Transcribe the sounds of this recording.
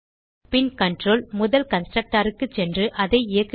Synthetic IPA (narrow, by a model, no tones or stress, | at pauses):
pɪnkɐɳʈroːlmʊðɐlkɐnsʈrɐk̚ʈaːɾɯkːɯt͡ʃɛndrɯʔɐðɐɪɪjɐkː